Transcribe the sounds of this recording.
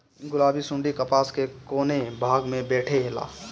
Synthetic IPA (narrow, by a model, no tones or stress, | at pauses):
ɡʊlaːbisʊ̃ɳɖikəpaːskekoːnebʱaːɡmẽbɛːʈʰeɦela̰ː